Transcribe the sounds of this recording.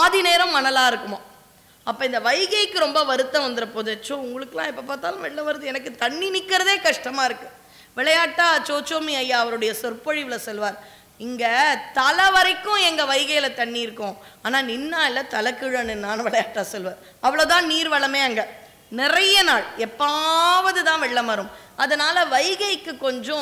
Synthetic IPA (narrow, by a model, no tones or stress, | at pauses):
aːðineːɾɐ̃mmːɐnɐlaːɪɾɯkːɯmo | ɐpːɐːɪnd̪ɐʋɐɪɣɐɪkːɯɾɔmbɐʋɐɾɯt̪ːɐ̃ʋɐnd̪ɪɾɐpɔðɐt͡ʃːõʊŋɡɐɭɯkːɯlãːɛpːɐpaːɾt̪aːlãːʋɛɭːɐʋɐɾɐðɯɛnɐkːɯt̪ɐɳːinɪkːɪɾɐðeːkɐʂʈɐmaːɪɾɯkːɯ | ʋɪɭɐjaːʈːaːt͡ʃoːt͡ʃːoːmiɐjːaːɐʋɐɾɯɽɐjɐsɔɾpɐɻɪʋɪlɐsɔlʋaːɾ | ɪŋɡɐt̪ɐlɐʋɐɾɐɪkːʊ̃ɛŋɡɐʋɐɪɣɐjɪlɐt̪ɐɳːiɪɾɯkːʊ̃aːnaːnɪnːaːɪlːɐt̪ɐlɐkːɯɻɐnɪnːaːnɐʋɪɭɐjaːʈːaːsɔlʋaːɾ | ɐʋɐɭoːt̪ãːniːɾʋɐɭɐmeːɐŋɡɐ | nɪɾɐjɐnaːɭɛpːaʋɐðɯt̪ãːʋɛɭːɐmɐɾɯmɐðɐnaːlɐʋɐɪɣɐɪkːɯkːɔɲd͡ʒõ